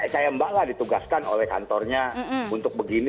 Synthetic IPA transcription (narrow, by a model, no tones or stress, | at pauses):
sajambaladit̪uɡaskano̰lɛhka̰nt̪ɔrɲaunt̪ʊk̚bəɡini